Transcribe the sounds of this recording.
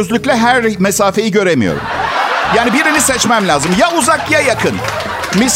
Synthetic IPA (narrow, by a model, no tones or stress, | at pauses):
øzlʲyclʲɛɦæɾmɛsaːfe̞jiɟø̞ɾemijo̞̰ɾṵmjaːnibiɾinisɛt͡ʃmæmlʲaːzɯmjauzakjajakʰɯn | mis